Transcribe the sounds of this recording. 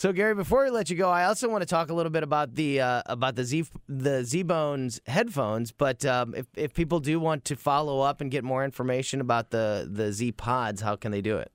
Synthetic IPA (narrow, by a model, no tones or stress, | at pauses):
soʊɡɛɹibɨfɔɹjɨlɛt͡ʃɨɡoʊaɪɔlˠsoʊwɑ̃ñɨtʰɔkəlɪɾl̩ˠbɪɾəbaʊt̪̚ðɨʌə̰baʊt̪̚ðɨziðɨzibõʊ̃nz̥hɛd̥fõʊ̃nzb̥ʌɾʌɪ̰fɪfpʰip̬l̩ˠdɨwɑ̃ntʰɨfɑlˠoʊʌpɨ̃nɡɛt̚mɔɹɪ̃ɱfə˞meɪʃɨ̃nəbaʊt̪̚ðɨðɨzipʰɑdz̥haʊkɨ̃n̩ðeɪdɨɪ̰t̚